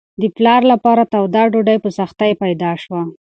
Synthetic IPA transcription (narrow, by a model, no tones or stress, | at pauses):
d̪əplɑɾlapɑɾat̪awd̪ɑɖoɖajpəsaxt̪ajpajd̪ɑʃwa